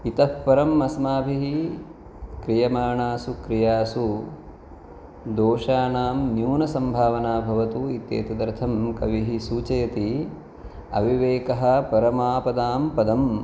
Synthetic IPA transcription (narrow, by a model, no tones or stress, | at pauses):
it̪ɐppɐɾɐmːɐsmaːbʱiɦi | kɾijɐmaːɳaːsukɾijaːsu | d̪oːʃaːnaːmnjuːnɐsɐmbʱaːʋɐnaːbʱɐʋɐt̪uit̪ḛːt̪ɐd̪ɐɾt̪ʰɐmkɐ̰ʋiɦisuːt͡ʃɐjɐt̪i | ɐ̰ʋiʋeːkɐɦɐ̆pɐɾɐmaːpɐd̪aːmpɐd̪ɐm